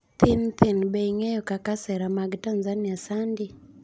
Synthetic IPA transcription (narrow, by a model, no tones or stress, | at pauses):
t̪ɪnt̪ʰɪnbeiŋejɔkakasɛɾamaɡtanzaniasandi